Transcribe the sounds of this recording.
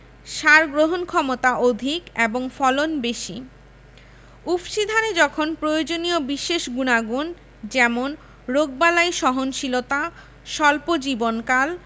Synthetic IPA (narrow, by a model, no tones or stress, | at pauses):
ʃaɾɡɾoɦonkʰɔmot̪aʔod̪ʱikeboŋfɔlonbeʃi | ubʃid̪ʱaned͡ʑɔkʰonpɾojod͡ʑoniobiʃeʃɡunaɡun | d͡ʑɛmon | ɾoɡ̚balaiʃɔɦonʃilot̪a | ʃɔlpod͡ʑibonkal